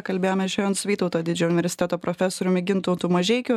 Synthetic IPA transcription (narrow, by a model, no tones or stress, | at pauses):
kɐlʲbʲeːjoːmʲɛʃʲɛːjont̪sʲʋʲiːt̪ɔʊt̪oːd̪ʲɪd͡ʒʲɛʊnʲɪʋʲɛɾsʲɪt̪ʲɛːt̪oːpɾɔfʲɛsɔɾʲʊmʲɪɡʲɪnt̪uːt̪umɐʒʲɛɪkʲʊ